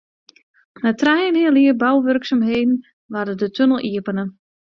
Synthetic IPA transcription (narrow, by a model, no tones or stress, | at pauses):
mɛtrɛjəniəliərbawʋørksamɦeːdn̩ | ʋardədətʰønəl̩ˠʔiəpənə